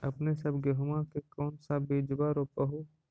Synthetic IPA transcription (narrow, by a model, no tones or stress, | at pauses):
ɐpnesɐbɡəɦʊmãkekɔːnsabeːd͡ʒbaɾopəɦu